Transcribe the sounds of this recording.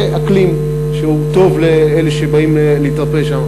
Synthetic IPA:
ʔaklim | ʃeut̪o̞vleeleʃebaimleleit̪ʁapeʃama

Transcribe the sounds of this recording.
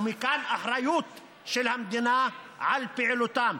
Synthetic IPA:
mikaːnʔaħɾˤɑjuːt̪ | ʃɪlhamd̪ɪnaːʕalpɪʕlut̪aːm

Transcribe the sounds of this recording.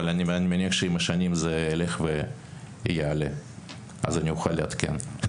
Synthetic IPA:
alanʲianʲimanʲiɐxʃeimɐʃanʲimzeːleχve | jeale | a̰zanʲijuxaleat̪kʲḛn

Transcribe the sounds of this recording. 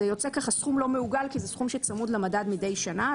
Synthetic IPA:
ejo̞t͡se̞kaχasχumlo̞meuɡalkizɛsχumʃet͡samud̪lemadadmide̞jʃana

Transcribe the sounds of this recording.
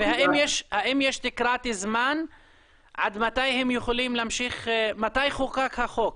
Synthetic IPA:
vehaʔimjeʃhaʔimjeʃt̪ikɾat̪izman | ʕa̰d̪mat̪ajhemjuχolimlaamʃiχmat̪ajχokakhaχok̚

